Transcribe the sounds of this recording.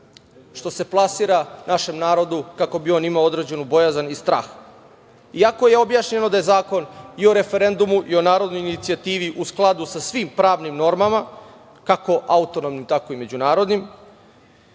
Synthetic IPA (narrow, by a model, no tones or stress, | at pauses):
ʃt̪o̞se̞plˠasiːɾanaʃe̞mnaːɾo̞d̪ukako̞bio̞nimao̞d̪ɾed͡ʑe̞nubo̞jazanist̪ɾa̰ːx | iako̞je̞o̞bjaʃɲe̞no̞d̪aje̞zaːko̞nio̞ɾe̞fe̞ɾe̞nd̪umuʔio̞naːɾo̞d̪no̞jinit̪siat̪iːʋiʔusklˠad̪usasʋimpɾaːʋnimno̞ɾmama | kako̞ʔaut̪o̞nomnimt̪ako̞ime̞d͡ʑunaːɾo̞d̪nim